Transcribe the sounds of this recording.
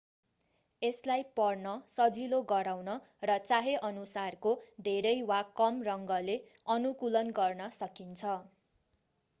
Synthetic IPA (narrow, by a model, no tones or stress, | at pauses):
eslajpʌrnʌsʌd͡ziloɡʌɾawnʌ | rʌt͡saɦeʔʌnusarkod̪ʱeɾʌjwakʌmrʌŋɡʌleʌnukulʌnɡʌrnʌsʌkint͡sʰʌ